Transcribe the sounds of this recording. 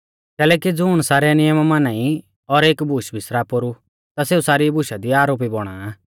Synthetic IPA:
kɛːlɛːkid͡zuɽ̃saːɾɛnɪjəmmanai | ɔɾeːkbʱuʃbʱɪsɾapoɾu | t̪aseːusaːɾibʊʃad̪iaːɾoːp̬ibɔɽ̃aː

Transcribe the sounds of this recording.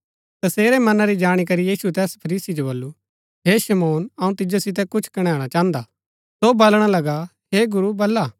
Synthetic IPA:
t̪ɐseːɾɛmɐnaɾid͡ʒaːɽ̃ik̬ɐɾijiːsut̪ɛːspʰɐɾiːsid͡ʒobɐlːu | ɦeʃɐmoːnɐũt̪ɪd͡ʒosɪt̪̬ɛkʊt͡ʃʰkɐɽ̃ɛːɽ̃at͡ʃãːnd̪a | sobɐlɽ̃alɐɡa | ɦeɡʊɾubɐlːaː

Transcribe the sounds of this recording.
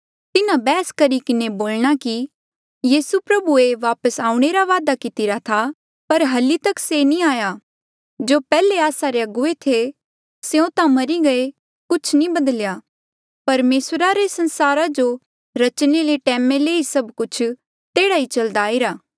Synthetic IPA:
t̪ɪnãbɛːskɐɾikɪneboːlɽ̃aki | jiːsupɾɐbueʋaːpəsaːũɽ̃eɾaʋaːd̪akɪt̪ɪɾat̪ʰa | pɐɾɦɐlit̪ɐksenĩaːja | d͡ʒopɛːleaːsaɾeɐɡʊet̪ʰe | seõt̪ãmɐɾiɡɐe | kʊt͡ʃʰnĩbɐd̪əljaː | pɐɾmeːsɾaɾesɐ̃nsaːɾad͡ʒo | ɾɐt͡ʃneleʈɛːmeleːisɐbkʊt͡ʃʰ | t̪eːɽait͡ʃɐld̪aːiɾaː

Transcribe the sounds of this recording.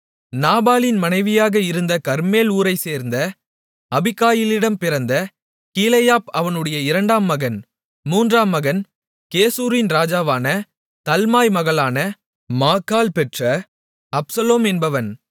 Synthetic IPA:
naːbaːlɪnmɐnɐɪʋɪjaːɣɐɪɾɯnd̪ɐkɐɾmeːluːɾɐɪseːɾnd̪ɐ | ɐbɪkːaːjɪlɪɽɐmpɪɾɐnd̪ɐ | kiːlɐjaːpɐʋɐnɯɽɐjɐɪɾɐɳɖaːmːɐɣɐn | muːndraːmːɐɣɐn | keːsuːɾɪnɾaːd͡ʒaːʋaːnɐ | t̪ɐlmaːjmɐɣɐɭaːnɐ | maːkːaːlpɛʈrɐ | ɐpsɐloːmɛnbɐʋɐn

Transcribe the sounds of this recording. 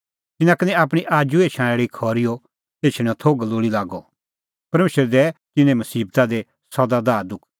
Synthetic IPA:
t̪ɪnãkɐnɛ̃aːpɽ̃iʔaːd͡ʒueːt͡ʃʰãɽ̃eːɽikʰɔːɾijɔ | t̪eːt͡ʃʰɽ̃ɛ̃ɔt̪ʰoɡɐloːɽilaːɡɔ | pɐɾmeːʃəɾɛd̪ɛt̪ɪnɛ̃mɐsiːb̚t̪ad̪e | sɐd̪ad̪aːɾd̪ʊkʰ

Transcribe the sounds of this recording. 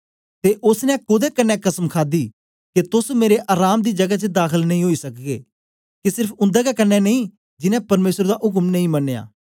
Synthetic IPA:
t̪eːʔʊsnɛ̃kʊd̪ekənːɛ̃kɐsəmkʰaːd̪iː | ket̪ʊsmeːɾeʔaːɾaːmd̪iːd͡ʒɐɡat͡ʃəd̪aːkʰəlnɐɦĩɦoːisɐkɡeː | kesɪɾpʰʊ̃nd̪ɛkakənːɛnəĩː | d͡ʒɪnɛ̃pɐɾmeːsəɾd̪aːʔʊk̬əmnɐĩmɐnːja̰ː

